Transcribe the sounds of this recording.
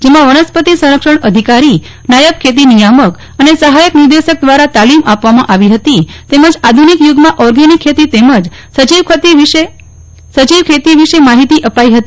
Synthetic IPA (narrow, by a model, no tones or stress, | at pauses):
d͡ʒemãʋənəspət̪isə̃ɾəkʃəɳəd̪ʱikaɾi | najəb̚kʰet̪̬inijamək | ənesəɦajəknɪɾd̪eʃək̚d̪ʋaɾat̪alimʔapʋamãʔaʋiɦət̪it̪eməd͡ʒad̪ʱunikjuɡmãʔɔɾɡenikʰːet̪it̪eməd͡ʒ | sət͡ʃiʋkʰət̪iʋe | sət͡ʃiʋkʰet̪iʋiʃemaɦit̪iʔəpaiɦət̪i